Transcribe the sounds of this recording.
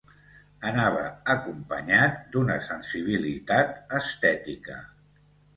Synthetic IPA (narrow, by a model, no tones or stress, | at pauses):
ənaβ̞əːkumpəɲat̪̚d̪unəsənsiβ̞ilit̪at̪əst̪ɛt̪ikə̰